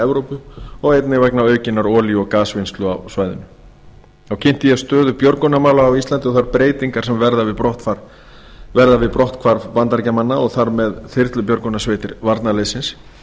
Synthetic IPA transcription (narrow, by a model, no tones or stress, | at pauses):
ɛvɾowpʏɔɣejt̪nɪvɛknaœːɥcɪnːaɾɔːljɔɣkaːsvɪnst̪lʏawsvaːjðʏ̰nʏ | θawcʰɪn̥t̪ɪjɛst̪œːðʏpjɔɾkonamaːlaːwist̪lant̪ɪɔɣθaɾpɾeːjt̪iŋkaɾ̥sɛmvɛɾðavɪpɾɔht̪faɾ | vɛɾðavɪðpɾɔht̪kʰvaɾpant̪aɾcamanːaɔɣθaɾmɛðθɪɾt̪lʏpjɔɾkɔnasveːjt̪ɪɾvaɾt̪naleːsɪns